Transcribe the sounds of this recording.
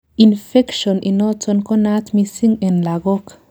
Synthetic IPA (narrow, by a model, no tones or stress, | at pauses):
infɛkʃɔnʔḭnɔtɔnkɔnat̪misiŋɛnlaɡɔk